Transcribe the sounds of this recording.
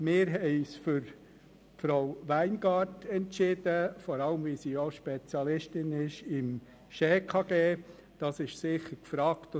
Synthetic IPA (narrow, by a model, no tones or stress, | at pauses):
mɪːɾɦɛɪsfʏɾ | fɾoʊʋæɪnɡɑːrtʰɛntʃɪdəfɔɾɑləmvisiːoʃpɛt͡sjɑlɪʃtɪnɪʃɪm | ʃeːkʰɑɡ̥eː | d̥ɑsɪʃsɪχəɾkfɾɑːkt